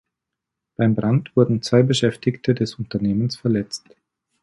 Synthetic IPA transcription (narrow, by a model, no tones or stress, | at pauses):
b̥aɪmbʁantv̥ʊɐdn̩t͡sv̥aɪbəʃɛftɪktʰədɛsʊntɐneːmənsfɛɐlɛt͡st